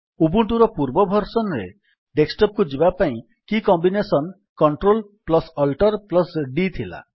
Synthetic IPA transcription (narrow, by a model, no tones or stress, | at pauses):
ubuɳʈuɾɔpuɾbɔbʱɔɾsɔnɾe | ɖeksʈɔp̚kud͡ʒibapaĩ | kikɔmbinesɔn | kɔɳʈɾolplɔsɔlʈɔɾplɔsɖit̪ʰila̰